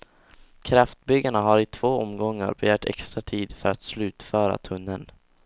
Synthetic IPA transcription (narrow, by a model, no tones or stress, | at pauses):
kʰɾaft̪bʏɡaɳaɦaɾɪt̪ʰv̥oːɔmɡɔŋːa̰ɾbɛjœːʈɛ̰kst̪ɾat̪ʰiːd̪fœɾat̪slʉ̟ːt̪fœːɾa̰t̪ʰɵnːən